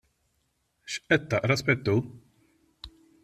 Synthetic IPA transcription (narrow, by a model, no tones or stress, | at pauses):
ʃʔɛt̪ːɐʔɾɐspɛt̪ːu